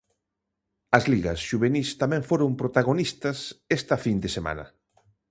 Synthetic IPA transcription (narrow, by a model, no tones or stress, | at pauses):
ɐzliɣɐsʃuβenist̪amɛ̃ŋfoɾompɾot̪aɣ̞onist̪ɐsest̪ɐfind̪esema̰nɐ̰